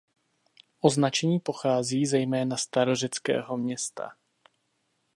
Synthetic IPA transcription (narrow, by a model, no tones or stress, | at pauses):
ʔo̞znat͡ʃɛɲiːpo̞xaːziːzɛjmɛːnast̪aɾo̞ʒɛt͡skɛ̰ːɦo̞mɲɛst̪ʰa̰